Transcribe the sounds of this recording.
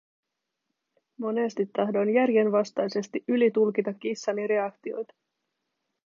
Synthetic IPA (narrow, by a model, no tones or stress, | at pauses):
mo̞ne̞st̪it̪ːɑɦdo̞njærje̞nʋɑst̪ɑjse̞st̪iʔylit̪ulk̟it̪ɑkːisːɑniɾe̞ɑkt̪io̞jt̪ɑ̥